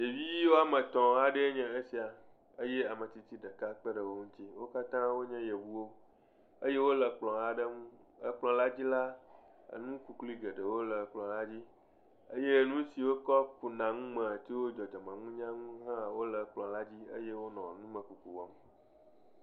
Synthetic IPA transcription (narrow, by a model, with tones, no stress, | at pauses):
je˨vi˦ji˦wo˦a˨mə̃˨t̪ɔ̃˨a˨ɖə˦ɲɛ̃˨e˦si˨a˨ | ə˦je˦a˨mə̃˨t̪i˨t̪i˦ɖə˨ka˦k͡pə˦ɖə˨wo˦ŋũ˦t̪i˦wo˦ka˦t̪ã˦wo˦ɲɛ̃˦je˨wu˦wo˦ | ə˦je˦wo˦lə˨k͡plɔ̃˨a˨ɖə˦ŋũ˦ | ə˦k͡plɔ̃˨la˦d͡ʑi˦la˦ | ə̰˨nũ˦ku˨kli˦ɡə˨ɖə˨wo˦lə˨k͡plɔ̃˨la˦d͡ʑi˦ | ə˦je˦˨nũ˦si˨wo˦kɔ˦pu˨nã˨ŋũ˦mə̃˨t̪i˦wo˦d͡ʒɔ˨d͡ʒɔ˨mã˨ŋũ˦ɲã˦ŋũ˦ɦã˦˨wo˦lə˨˦k͡plɔ̃˨la˦d͡ʑi˦ə̰˦je˦wo˦nɔ̃˨nũ˦mə̃˨ku˨ku˨wɔ̰˨m˨